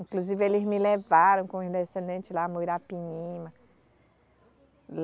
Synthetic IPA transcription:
ĩkluzivɪelɪzmɪlevaɾɐ̃w̃kõĩd̪esẽnd̪ẽnt͡ʃɪlamuiɾapiɲĩmɐ | l

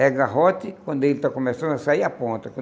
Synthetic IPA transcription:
ɛɡaɦot̪ɪkwɐ̃nd̪ʊelɪt̪akomesɐ̃nd̪ʊɐsaiɐpõnt̪ɐkwɐ̃

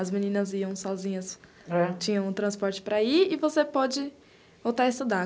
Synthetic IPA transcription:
ɐzmĩnĩnɐziɐ̃w̃sɔzĩɲɐs | ɛt͡ʃĩɲɐ̃w̃ʊt̪ɾɐ̃spɔɾt͡ʃɪ̥pɾaiɪvosepɔd͡ʒɪ | owt̪aɪst̪ud̪a

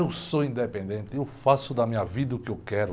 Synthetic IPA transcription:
ewsoĩnd̪epẽnd̪ẽnt̪ɪewfasʊd̪ɐmĩɲɐvid̪ɐʊkɪewkɛɾʊ

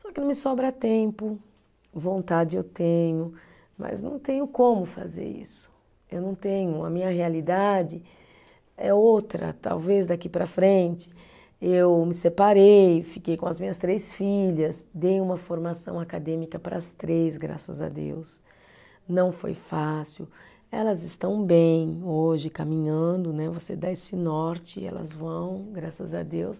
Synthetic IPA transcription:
sɔkɪnɐ̃mɪsɔbɾɐt̪ẽmpʊ | võnt̪ad͡ʒɪewt̪ẽɲʊ | mɐ̰znɐ̰̃w̃t̪ẽɲʊkõmʊfa̰zḛɾḭsʊ̥ | ewnɐ̃w̃t̪ẽɲʊɐ̰mĩɲɐɦealid̪ad͡ʒɪ | ɛowt̪ɾɐ̰t̪a̰wvezd̪akipɾɐfɾẽnt͡ʃɪ̥ | ewmɪsepaɾejfikejkõɐzmĩɲɐst̪ɾejsfiʎɐsd̪ejũmɐfoɾmasɐ̃w̃akad̪ẽmikɐpɾɐːst̪ɾezɡɾa̰sɐ̰za̰d̪ḛws | nɐ̃w̃fo̰jfasiw | ɛlɐzɪst̪ɐ̃w̃bẽj̃oʒɪkamĩɲɐ̃nd̪ʊnɛvosed̪aesɪnɔɾt͡ʃɪɛ̰lɐ̰zvɐ̃w̃ɡɾasɐzɐd̪ews

